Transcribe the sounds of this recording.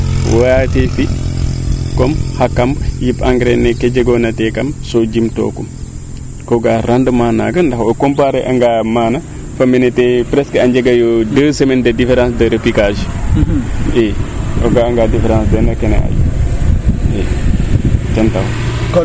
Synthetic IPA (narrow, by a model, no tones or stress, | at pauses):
waatefi | komhakːamjipaŋɡɾeneked͡ʒeɡonɐtekɐmsod͡ʒimto̰ːkum | koɡaɾandəmana̰ɡɐndahokompaɾeʔaŋɡamaːna | fɐminetepɾeskəaɲd͡ʒeɡajodəsemendədifeɾãːsdəɾepikad͡ʒ | eo̰ɡaaŋɡadifeɾãːnsdenɐkenḛa̰jṵ | e | tentaw